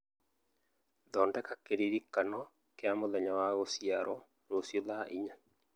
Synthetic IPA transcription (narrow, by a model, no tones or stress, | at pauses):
d̪ɔndɛkakeɾiɾikːanɔ | keamʊlɛɲɔwaɣosjaɾʔɔ | ɾosjolaʔiɲa